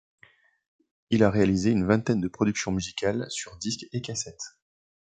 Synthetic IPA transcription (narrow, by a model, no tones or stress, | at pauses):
ilaʁealizeynvɛ̃t̪ɛnd̪əpχɔd̪yksjɔ̃myzikalsyʁd̪iskekasɛt̪